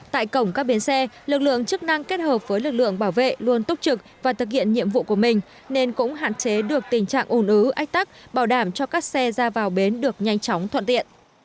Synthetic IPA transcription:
t̪a̰ː˧˨jkə˧˩wŋ͡mkaː˦˥k̚ɓi˨˦nsɛ˧lɨ˨˩k̚lɨ̰˧˨əŋt͡ɕɨ˦˥k̚na˧ŋke˦˥t̚həː˨˩p̚vəː˨˦jlɨ˨˩k̚lɨ̰˧˨əŋɓaː˧˩wvḛ˧˨lu˧ənt̪ʊ˦˥k͡p̚t͡ɕɨ˨˩k̚vaː˨˩t̪ʰɨ˨˩k̚hḭ˧˨ənɲḭ˧˨əmvṵ˧˨ku˧˩əmï˨˩ŋ̟ | ne˧nkʊ̰˧˥ŋ͡mɦa̰ː˧˨nt͡ɕe˨˦ɗɨ˨˩ək̚t̪ï˨˩ŋ̟t͡ɕa̰ː˧˨ŋʔu˧˩nʔɨ˨˦ʔa˦˥jk̟̚t̪a˦˥k̚ɓaː˧˩wɗaː˧˩mt͡ɕɔ˧kaː˦˥k̚sɛ˧zaː˧vaː˨˩wɓe˨˦nɗɨ˨˩ək̚ɲa˧jŋt͡ɕɔ˨˦wŋ͡mt̪ʰwə̰˧˨nt̪ḭ˧˨ən

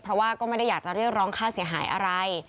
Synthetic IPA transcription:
pʰɾɔ˦˥waː˥˩kɔː˥˩ma˥˩jda˥˩jaː˨˩k̚t͡ɕa˨˩ɾi˥˩ək̚ɾɔː˦˥ŋkʰaː˥˩si˩˦əɦa̰ː˩˦jʔa̰˧ɾa˧j

